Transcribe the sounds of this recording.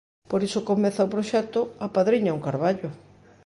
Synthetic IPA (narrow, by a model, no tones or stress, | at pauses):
poɾisokomɛθaopɾoʃɛk̚t̪ʊɐpaðɾiɲauŋkaɾβaʎʊ